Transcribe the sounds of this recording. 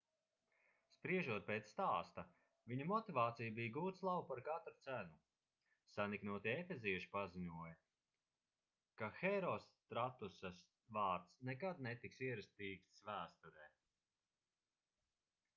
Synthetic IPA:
spɾiɛʒuɔt̪̚peːt̪sst̪aːst̪a | viɲumɔt̪ivaːt̪sijbijɡuːt̪slˠabupaɾkat̪ɾut̪sænu | saniknuɔt̪iefeziɛʃi̥paziɲuɔjɐ | kaxɛɾɔst̪ɾat̪usas | vaːɾt̪snekad̪̚nɛt̪iksiɛɾast̪iːkssvæːst̪uɾɛː

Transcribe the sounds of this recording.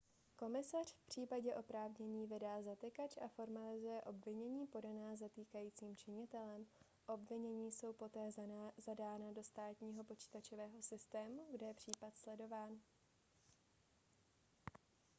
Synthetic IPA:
ko̞mɪsar̥fpr̝̥iːpaɟɛʔo̞pɾaːvɲɛɲiːvɪdaːzat̪ɪkat͡ʃʔafo̞ɾmalɪzujɛʔo̞bvɪɲɛɲiːpo̞danaːzat̪iːkajiːt͡siːmt͡ʃɪɲɪt̪ɛlɛm | ʔo̞bvɪɲɛɲiːso̞wpo̞t̪ɛːzzadaːnado̞st̪aːt̪ɲiːɦo̞po̞t͡ʃi̥ːt̪at͡ʃovɛːɦo̞sɪst̪ɛːmuɡdɛjɛpr̝̥iːpat̪slɛdo̞vaːn

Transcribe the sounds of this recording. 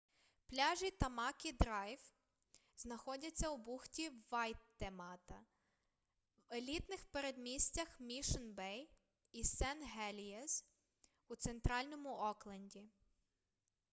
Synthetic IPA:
plʲɑʒit̪ɐmɑkʲid̪ɾɑjw | znɐxɔdʲɐt͡sʲːɐwbuxtʲiʋɑjt̪ːemɑt̪ɐ | welʲit̪nɪxpeɾed̪mʲisʲt͡sʲɐxmʲiʃɔnbɛj | isɛnɦɛlʲiɛs | ut̪sent̪ɾɑlʲnɔmʊʔɔklˠɐnʲdʲi

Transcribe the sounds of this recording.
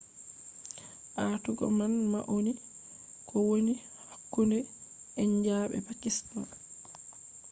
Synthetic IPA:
ʔatuɡɔ̰manma̰ʔoni | kʰɔwoni | hakːundɛ | ɛɲd͡ʒaːɓɛ̰pakistan

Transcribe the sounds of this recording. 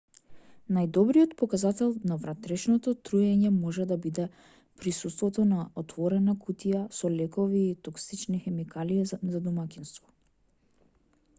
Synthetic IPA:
najd̪ɔbɾijɔt̪pɔkazat̪ɛlˠnavɾat̪ɾɛʃnɔt̪ɔt̪ɾujɛɲɛmɔʒɛd̪abid̪ɛ | pɾisust̪vɔt̪ɔnaɔt̪vɔɾɛnakʰut̪ijasɔlɛkɔviːt̪ɔksit͡ʃnixɛmikalizad̪umakinst̪vɔ̥

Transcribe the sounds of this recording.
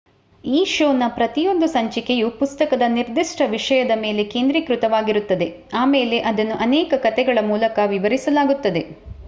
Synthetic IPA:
iːʃoːnɐpɾɐt̪ijo̞nd̪usɐɲt͡ʃikejupust̪ɐkɐd̪ɐniɾd̪iʂʈɐʋiʂɐjɐd̪ɐme̞ːle̞ke̞ːnd̪ɾikɾut̪ɐʋaːɡiɾut̪ːɐd̪e̞ | aːmeːle̞ʔɐd̪ɐnːuʔɐnɛːkɐkɐt̪ɛɡɐɭɐmuːlɐkɐʋiʋɐɾisɐlaːɡut̪ːɐd̪e̞

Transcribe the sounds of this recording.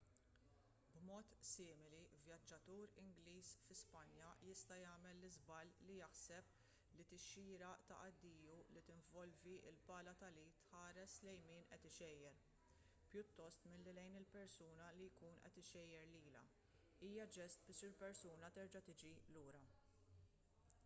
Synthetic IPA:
bmɔːt̪sɪːmɪlivjɐd͡ʒːɐt̪uːɾɪŋɡliːsfɪspɐnjɐjɪst̪ɐjɐːmɛlːɪzbɐlːijɐħsɛp̚ | lit̪ɪʃiːɾɐʔt̪ɐ̰ʔɐd̪ːiːjulit̪ɪɱvɔlviɪ̰lbɐːlɐt̪ɐliːt̪ħɐːɾɛslɛjmiːnʔɛt̪ɪʃɛjːɛɾ | pjʊt̪ːɔst̪mɪlːilɛjnɪlpɛɾsuːnɐlijkuːnʔɛ̰t̪ɪʃɛjːɛɾliːlɐ̰ | iːjɐd͡ʒɛst̪̚bɪːʃɪlpɛɾsuːnɐt̪ɛɾd͡ʒɐt̪ɪd͡ʒiluːɾɐ

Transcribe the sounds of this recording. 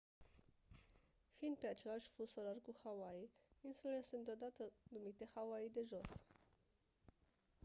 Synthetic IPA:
fiːnd̪̚pe̞at͡ʃe̞laʃʲfusoɾarkuxawaiinsulelesund̪od̪at̪ənumit̪e̞xawaid̪e̞ʒo̞s

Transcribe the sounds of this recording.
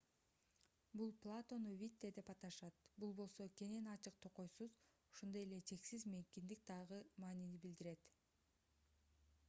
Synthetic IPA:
bulˠplˠat̪o̞nuvʲit̪ːed̪e̞pɑt̪ɑʃɑt̪bulˠbo̞lˠso̞kʲe̞ne̞nɑt͡ʃɯq̚t̪ʰo̞qo̞jsuz | oʃond̪o̞je̞le̞t͡ʃʰe̞ksizmekʲind̪ik̚d̪ɑʁɯmɑːninibild̪iɾe̞t̪

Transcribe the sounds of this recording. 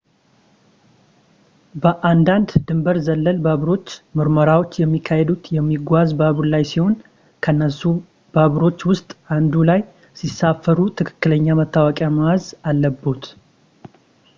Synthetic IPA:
bəʔand̪and̪d̪ɨmbəɾzəlːəlbaβɾo̞t͡ʃːmɨɾməɾawo̞t͡ʃːjɛmːikʰːahed̪ut̪jɛmːiɡʷazbaβulajsiho̞n | kʰənːəsːu | baβɾo̞t͡ʃːwʊst̪ʼʔand̪ulaj | sisafːəɾut̪ʰɨkʰɨ̥kːɨləɲːamət̪ʰːawakʼjamawazalːəbːot̪

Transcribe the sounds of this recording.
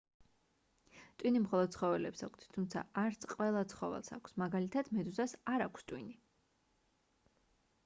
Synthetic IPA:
t̪ʼwinimχɔlˠɔd̪̚sʰχɔvɛlɛpsakʰt̪t̪ʰumt̪sʰa̰aɾt̪sʰqʼwɛlˠat̪sʰχɔvɛ̰lˠsa̰kʷʰsmaɡalit̪ʰad̪mɛd̪uzasaɾakʷʰst̪ʼwini

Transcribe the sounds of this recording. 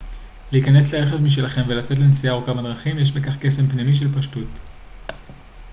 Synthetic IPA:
liikane̞sleeχefmiʃ̬elaχe̞mve̞lat͡se̞t̬lensiaʁokamadʁaχimjeʃ̬bekaχke̞se̞mpnimiʃ̬e̞lpaʃtut

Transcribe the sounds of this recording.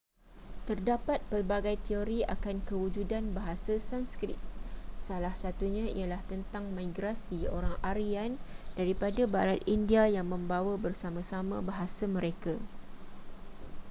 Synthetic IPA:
t̪ərdapat̪̚pərbaɡajt̪eoɾia̰kankəwud͡ʒudanbaɦasasanskɾḭt̪̚salahsat̪uɲãḭalaht̪ənt̪aŋmãjɡɾasio̰ɾaŋaɾiandaɾipadabaɾat̪̚indiajaŋmə̃mbawabərsamãsamãbaɦasamə̃ɾeka

